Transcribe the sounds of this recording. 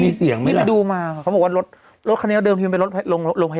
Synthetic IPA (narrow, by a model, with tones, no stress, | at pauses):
iː˧si˨˩˦əŋma˧˥˩a˧˩duː˧maː˧kʰa˨˦mbɔ˨˩˧a˧ɾo˦˥t̪̚ | ɾo˦˥t̪̚kʰn˧˦˥dɤː˧mt̪ʰi˧pe˧nɾo˦˥t̪̚lo˧ŋ˧lo˧ŋpʰa˧